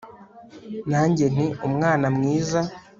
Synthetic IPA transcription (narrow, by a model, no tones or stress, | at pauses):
naːɲɟe̞n̥iumŋaːnamŋiːza